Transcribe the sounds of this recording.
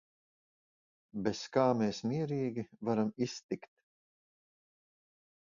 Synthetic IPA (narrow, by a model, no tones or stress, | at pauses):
beskaːmeːsmiɛɾiːɡʲivaɾamist̪ikt̪